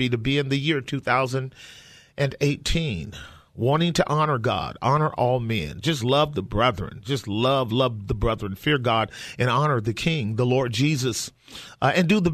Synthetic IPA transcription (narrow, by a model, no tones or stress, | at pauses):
iɾɨbiɨ̃nðɨjɪɹtʰʉθaʊzɨ̃nd | ʔɨ̃neɪtʰĩn | wɑ̃ɾ̃ɪ̃ŋtʰɨʔɑnə˞ɡɑ̰ɾɑnə˞ʔɔlˠmɛ̰̃nd͡ʒʌs̬tˡlʌvðəbɹɛðɹɨ̰̃nd͡ʒʌstˡlʌvlʌvðəbɹɛðɹɨ̃nfɪɹɡɑɾɨ̃nɑnə˞ðɨkʰɪ̃ŋðəlɔɹd̚d͡ʒizɨs | ɨ̃ndɨðə